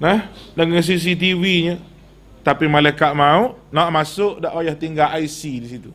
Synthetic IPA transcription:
nəhdəŋəns̬is̬it̪iwiɲə | t̪apimalakaʔ̪̚mauʔnaaʔmasʊʔdaʔwajaht̪iŋɡaʔajsidisit̪u

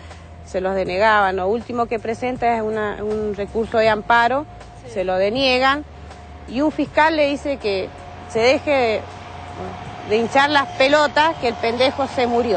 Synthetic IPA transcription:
selo̞zðe̞ne̞ɣaβanloult̪imo̞ke̞pɾese̞nt̪aesunaunre̞kuɾso̞ðeampaɾo̞ | selo̞ðe̞njeɣan | iuɱfihkalːe̞ðise̞ke | se̞ðexeðe | ðeint͡ʃaɾlaspelot̪askeːlpend̪exo̞semuɾjo̞

